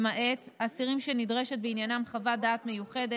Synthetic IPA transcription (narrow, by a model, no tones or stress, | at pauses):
maʔe̞t̪asiʁimʃenidʁe̞ʃe̞t̪̚beinjanamχavadaːt̪me̞juχe̞de